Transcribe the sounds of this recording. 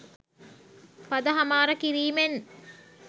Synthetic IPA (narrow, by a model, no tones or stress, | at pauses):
pɐd̪ɐɦɐmaːɾəkiɾiːmen